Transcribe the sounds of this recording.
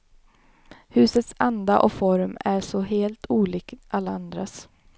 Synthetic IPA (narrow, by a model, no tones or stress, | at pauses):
hʉ̟ːsət̪sand̪aʔɔfɔɾmæʂɔɦeːlt̪ʰuːliːkʔalːaand̪ɾas